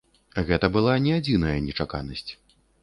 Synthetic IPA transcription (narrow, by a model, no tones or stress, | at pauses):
ɣɛt̪ɐbɨlˠanʲɛad͡zʲin̪ɐjɐnʲɛt͡ʂaka̰nɐsʲt͡sʲ